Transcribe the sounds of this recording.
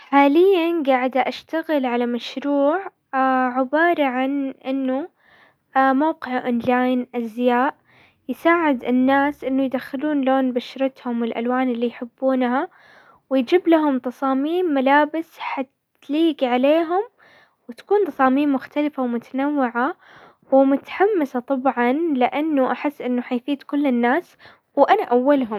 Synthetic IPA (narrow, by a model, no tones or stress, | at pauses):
ħaːlɪjːanɡaːʕɪd̪aʔaʃt̪aɣɪlʕalamaʃɾuːʕ | ʕɪbɑːɾˤɑʕanʔɪnːu | mawqɪʕʔoːnlaːjnʔazjaːʔ | jɪsaːʕɪd̪ɪnːaːsʔɪnːʊjd̪axɪluːnloːnbaʃɾˤɑt̪hʊmɪlʔa̰lwaːnɪlːijħɪbːuːnha | wɪjd͡ʒiːblaɦʊmt̪ɑsˤɑːmiːmːalaːbɪsħat̪ | liːɡiʕaleːɦʊm | wɪt̪ḁkuːnt̪ˤɑsˤɑːmiːmːʊxt̪alɪfawmʊt̪anawːɪʕa | wɪmʊt̪ḁħamːɪsat̪ˤɑbʕɑnlɪʔanːʊʔaħɪsːʔɪnːʊħajfiːd̪kʊlːɪnːaːs | wʔanaʔawːalɦʊm